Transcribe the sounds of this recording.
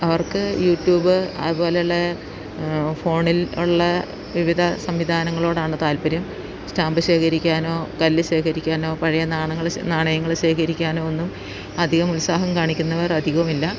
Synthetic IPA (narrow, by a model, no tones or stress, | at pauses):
ɐʋɐrkɨjuːtjuːbɨɐ̰ðubo̞ːlejuɭːe | fo̞ːɳiluɭːɐ | ʋiʋid̪ʱɐsɐmʋid̪ʱaːnɐŋːɐɭo̞ːɽaːɳɨt̪aːlpɐɾjɐm | staːmbɨɕe̞ːkʰɐɾikʲːaːno̞ːkɐlːɨɕe̞ːkʰɐɾikʲːaːno̞ːpɐɻɐjɐnaːɳɐŋːɐɭnaːɳɐjɐŋːɐɭɕe̞ːkʰɐɾikʲːaːno̞ːonːum | ɐd̪ʱiɣɐmulsaːɦɐmkaːɳikʲːunːɐʋɐrɐd̪ʱiɣɐʋumilːɐ